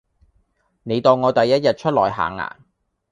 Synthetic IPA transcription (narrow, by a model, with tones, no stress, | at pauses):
ne˨˧jt̪ɔː˨˧wŋɔː˨˧t̪ɐ˨jːɐ˥t̚jɐ˨t̚t͡ʃʰɵ˥t̚lɔ̰ː˨˩jɦa̰ː˨ŋːa̰ː˨˩n